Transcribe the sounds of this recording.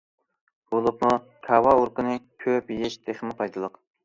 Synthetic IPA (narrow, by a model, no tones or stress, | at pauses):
b̥olˠupmu | kʰɑwɑuɾqənɨkʲʰøpjɪʃd̪̥eχmɪpʰɑjd̪ɨlˠʊq